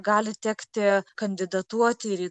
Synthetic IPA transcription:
ɡɑːlʲɪt̪ʲɛːkt̪ʲɪkɐnʲd̪ʲɪd̪ɐt̪uɔt̪ʲɪɪɾiː

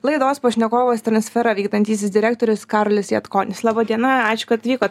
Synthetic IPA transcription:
lˠɐɪd̪oːspɐʃʲnʲɛkoːʋost̪ɾɐnʲsʲfʲɛɾɐʋʲiːkd̪ɐnʲt̪ʲiːsʲɪsd̪ʲɪɾʲæːk̚t̪oːɾʲʊskɑːɾoːlʲɪsjɛt̪koːnʲɪslˠɑːbɐd̪ʲiɛnɐɑːt͡ʃʲʊ̥kɐt̪t̪ʲʋʲiːkoː

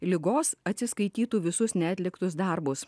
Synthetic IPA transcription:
lʲɪɡoːsɐt̪ʲsʲɪskɐɪt̪ʲiːt̪uːʋʲɪsʊsnʲæːt̪ʲlʲɪkt̪ʊs̬d̪ɐɾbʊs

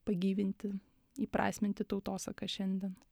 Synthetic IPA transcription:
pɐɡʲiːʋʲɪnʲt̪ʲɪ | iːpɾɑ̰ːsʲmʲɪnʲt̪ʲɪt̪ɒʊt̪oːsɐkɐʃʲɛnʲd̪ʲiɛn

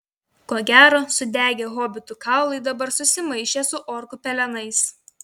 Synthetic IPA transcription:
koːɡʲæːɾoːsʊd̪ʲæːɡʲeːɣoːbʲɪt̪ʊkɑˑʊlˠɐɪd̪ɐbɐɾsʊsʲɪmɐɪʃʲeːsʊʔɔːɾkʊpʲɛlʲɛnɐɪs

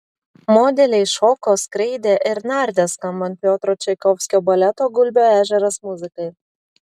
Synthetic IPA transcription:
mɔd̪ʲɛlʲɛɪʃɔkoskɾʲɛɪd̪ʲeʔɪɾnɑɾʲd̪ʲæskɐmbɐnt̪̚ʲpʲjoːt̪ɾoːt͡ʃʲɛɪkɔfsʲkʲobɐlʲɛt̪oːɡʊlʲbʲoːæːʒʲɛɾɐsmuzʲɪkɐɪ

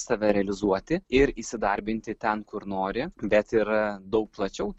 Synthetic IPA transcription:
sɐʋʲɛɾʲɛɐlʲɪzuɔt̪ʲɪɪɾisʲɪd̪ɐɾʲbʲɪnʲt̪ʲɪt̪ʲɛnkʊɾnoːɾʲɪbʲɛt̪ɪɾd̪ɐʊk̚plˠɐt͡ʃʲɛʊ

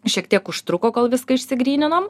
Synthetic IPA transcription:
ʃʲiɛkt̪ʲiɛkʊʃt̪ɾʊkoːkoːlˠʋʲɪskɐɪʃʲsʲɪɡɾʲiːnʲɪnɐm

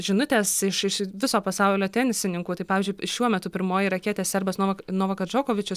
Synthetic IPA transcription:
ʒʲɪnʊt̪ʲeːsɪʃɪʃʋʲɪsoːpɐsɑʊllʲoːt̪ʲɛnʲɪsʲɪnʲɪŋkuːt̪ɐɪpɑːʋʲiːzʲd͡ʒʊɪʃʲuɔmʲɛt̪ʊpʲɪɾmoːjiɾɐkʲiːt̪ʲeːssʲɛɾbɐsnoːnoːʋɐkɐsd͡ʒoːkoːʋʲɪt͡ʃʲʊs

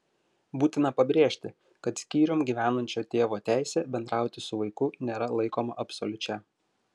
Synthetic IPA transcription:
buːt̪ʲɪnɐpɐbʲɾʲeːʃʲt̪ʲɪ | kɐt̪sʲkʲiːɾʲʊmɡʲiːʋʲæːnɐnʲt͡ʃʲoːt̪ʲeːʋoːt̪ʲæˑɪsʲeːbʲɛnd̪ɾɑˑʊt̪ʲɪsʊʋɐɪkʊnʲeːɾɐlˠɐɪkoːmɐ̰ʔɐpsɔlʲʊt͡ʃʲɛ

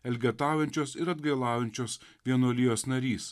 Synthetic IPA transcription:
ɛlʲɡʲɛt̪ɑːwjɛnʲt͡ʃʲoːsɪɾɐd̪ɡɐɪlˠɑːjɛnʲt͡ʃʲoːsʋʲiɛnuɔlʲiːjoːsnɐɾʲiːs

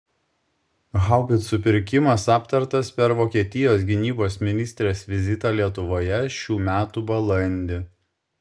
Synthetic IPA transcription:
ɣɑʊbʲɪt̪sʊpʲɪɾʲkʲɪmɐsɑːpt̪ɐɾt̪ɐspʲɛɾʋoːkʲiɛt̪ʲɪjoːs̬ɡʲɪnʲiːboːsmʲɪnʲɪsʲt̪ʲɾʲeːsʋʲɪzʲɪt̪ɑlʲiɛt̪ʊʋoːjɛʃʲuːmʲæːt̪uːbɐlˠɐnʲd̪ʲɪ

